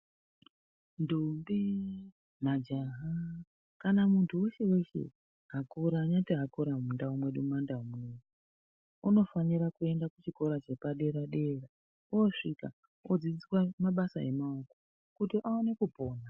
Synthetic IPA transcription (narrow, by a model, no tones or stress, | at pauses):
ndumbi | mad͡ʒaɦa | kanamuntʰuwe̞ʃe̞we̞ʃe̞̰ | ɦakoɾaɲatiɦakoɾamundaumwe̞ɗumandaumueu | uno̞faniɾakue̞ndakut͡ʃiko̞ɾat͡ʃe̞paɗe̞ɾaɗe̞ra | uoʂika̰ | od͡zid͡zit͡swamaɓasaḛmauko̥ | kutiʔaone̞kubʱo̞ːna